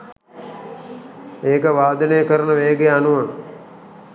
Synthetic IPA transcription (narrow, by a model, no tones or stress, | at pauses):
eːkəʋaːd̪ɐnejəkəɾənəʋeːɡeanuʋaŋ